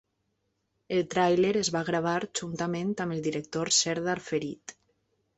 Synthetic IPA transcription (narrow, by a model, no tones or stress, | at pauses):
elˠt̪ɾajleɾezβaɣɾaβ̞aɾd͡ʒunt̪amẽnt̪aməlˠd̪iɾək̚t̪oɾsɛɾðaɾfeɾit̪